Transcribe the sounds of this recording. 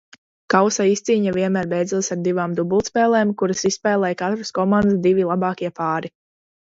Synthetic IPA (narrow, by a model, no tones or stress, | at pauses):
kawsaist̪siːɲaviɛnmæːɾbɛj̪zulsaɾd̪ivaːmd̪ubulˠt̪spɛːlˠɛːmkuɾasisːpɛːlˠɛjkat̪ɾaskɔmãnd̪sd̪ivilˠabɑːkʲiɛpaːɾi